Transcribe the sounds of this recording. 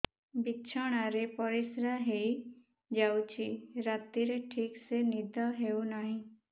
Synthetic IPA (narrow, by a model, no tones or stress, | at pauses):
bitːt͡ʃʰɔɽ̃aɾepɔɾisɾaɦei | d͡ʒawt͡ʃʰiɾat̪iɾeʈʰiːksenid̪ʱɔɦeunaɦĩ